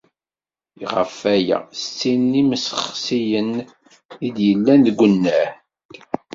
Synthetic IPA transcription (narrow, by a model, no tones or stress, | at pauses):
iʁə̰fæjæ̰st͡sːinːiməsəχsijən | id̪jəlːænðɡʷːənːæh